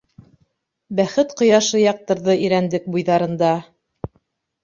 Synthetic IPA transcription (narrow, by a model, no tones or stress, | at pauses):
bæχɘt̪qŏjɑʃɤjɑq̚t̪ɤ̆ɾðɤʔiɾænd̪ɘk̚bujðɑɾɤ̆nd̪ɑ